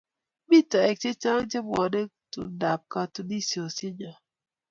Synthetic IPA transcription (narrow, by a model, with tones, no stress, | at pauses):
bi˦˨ta˨ɛ˨k̚t͡ʃe˦t͡ʃa˦ŋt͡ʃe˦bɔ˨de˦ | tṵ˨da˨p̚ka˦tu˨di˦si˨o˨se˦d͡ʒa˨